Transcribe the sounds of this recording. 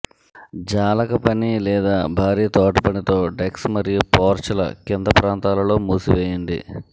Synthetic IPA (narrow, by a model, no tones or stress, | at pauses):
d͡ʒaːlɐkɐpɐnilɛːd̪aːbʱaːɾiːt̪oːʈɐpɐnit̪o̞ːɖeksmɐɾijupoːɾt͡ʃɐlɐ̰kind̪ɐpɾaːnt̪aːlɐlo̞ːmuːsiʋeːjɐɳɖḭ